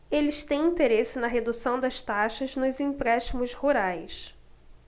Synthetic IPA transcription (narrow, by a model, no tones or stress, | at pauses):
elɪst̪ẽj̃ĩnt̪eɾesɪnɐɦed̪usɐ̃w̃d̪ɐʃt̪aʃɐznʊzĩpɾɛʃt͡ʃimʊzhuɾajs